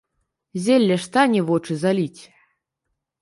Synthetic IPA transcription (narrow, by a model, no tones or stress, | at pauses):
zʲelʲːɛʂt̪anʲɛvɔt͡ʂɨzalʲit͡sʲ